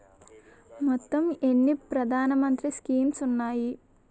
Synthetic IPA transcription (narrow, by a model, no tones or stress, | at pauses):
mɔt̪ːɐmenːipɾɐd̪ʱaːnɐmɐnt̪ɾiskiːmsunːaːji